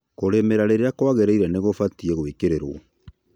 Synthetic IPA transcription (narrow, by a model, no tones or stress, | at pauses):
koɾemeɾaɾeɾeakwaɣɛɾeiɾɛneɣofatiɛɣwikeɾeɾo̰ɔ